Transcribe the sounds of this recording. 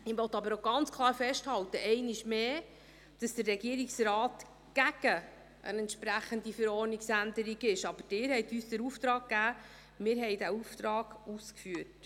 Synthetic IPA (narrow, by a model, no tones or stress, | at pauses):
ɪvɔt̪ːɑbəɾoɡɑnt͡skʰlˠɑːɾfɛʃthɑltəʔɛɪnɪʃmeː | d̥ɑsd̥̪ərːɛɡiəɾiksrɑːt̪ | ɡ̥æɡ̥ə | ʔə̰nɛntʃpɾæχəndifəɾɔrniksænd̪əɾiɡɪʃɑb̥əd̥ɪːɾhɛjtyːsd̥̪əɾuft̪ɾɑːkːæː | mɪːɾɦɛɪjdæuft̪ɾɑːɡ̥uskfyət